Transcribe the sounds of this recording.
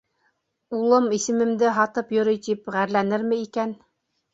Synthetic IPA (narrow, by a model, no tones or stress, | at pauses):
ulˠɤmisɘ̆mɘ̆md̪ɘɦɑt̪ɤpjɵ̆ɾɘjt̪ipʁæɾlænɘɾmɘ̆ikæn